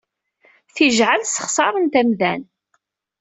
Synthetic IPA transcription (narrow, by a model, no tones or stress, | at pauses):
θiʒʕəlsə̥χsˤɑɾˤənt̪æmðæn